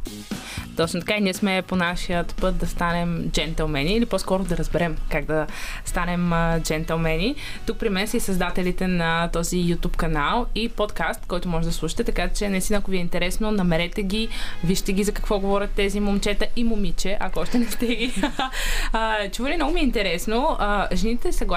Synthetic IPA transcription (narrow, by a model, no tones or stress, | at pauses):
t̪ɔt͡ʃnot̪ɐ̥kainiɛsmɛponaʃijət̪pɤt̪̚d̪ɐst̪anɛmd͡ʒɛnt̪ɛlˠmɛniːlipɔskɔɾod̪ɐɾɐzbɛɾɛmkaɡ̚d̪ɐst̪anɛmd͡ʒɛnt̪ɛlˠmɛnit̪uk̚pɾimɛnsəisɐzd̪at̪ɛlit̪ɛnɐt̪ɔzijut̪upkɐnalˠipɔt̪kast̪kɔjt̪omɔʒɛd̪ɐslˠuʃi̥t̪ɛt̪ɐkat͡ʃɛnɐist̪inəɐkoviɛint̪ɛɾɛsnonɐmɛɾɛt̪ɛɡʲiviʃt̪ɛɡʲizɐkɐ̥kvɔɡovɔɾʲɐt̪ːɛzimomt͡ʃɛt̪əʔimomit͡ʃɛʔɐkoɔʃt̪ɛnɛft̪ɛɡi | t͡ʃuvəlimnɔɡʊmiɛint̪ɛɾɛsnoəʒɛnit̪ɛsɐɡlˠa